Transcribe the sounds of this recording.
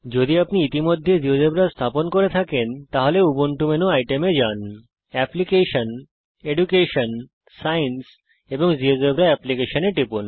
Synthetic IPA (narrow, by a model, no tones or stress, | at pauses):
d͡ʑod̪iapniit̪imod̪ʱːed͡ʑiod͡ʑebɾast̪ʰaponkoɾet̪ʰakent̪aɦoleuboɳʈumenoajʈemed͡ʑan | ɛplikeʃon | eɖukeʃon | sajens | eboŋd͡ʑiod͡ʒebɾaɛplikeʃoneʈɾipun